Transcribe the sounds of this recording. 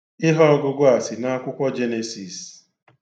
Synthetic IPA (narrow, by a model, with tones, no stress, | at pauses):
ɪ˦ɦɔ˦ɔ˦ɡʊ˦ɡʷʊ˦a˨sɪ˨na˦a˦kʷʊ˦kʷɔ˦d͡ʒe˦ne˨si˨s